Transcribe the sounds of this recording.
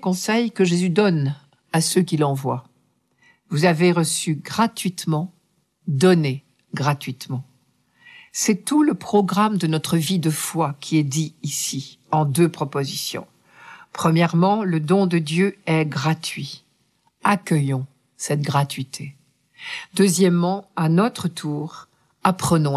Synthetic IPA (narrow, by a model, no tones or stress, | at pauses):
kɔ̃sɛjkəʒezyd̪ɔn | asøk̬ʲilɑ̃vwa | vuzaveʁəsyɡʁat̪ɥit̪mɑ̃ | d̪ɔne | ɡʁat̪ɥit̪mɑ̃ | sɛt̪uləpχɔɡʁamd̪ənɔt̪χəvid̪əfwakʲʰiɛd̪iːsi | ɑ̃d̪øpχɔpozisjɔ̰̃ | pχəmjɛʁmɑ̃ləd̪ɔ̃d̪əd̪jøɛɡʁat̪ɥi | akʲœjɔ̃ | sɛt̪ɡʁat̪ɥit̪ʰe | d̪øzjɛmːɑ̃anɔt̪χət̪ʰuːʁ | apχənɔ̃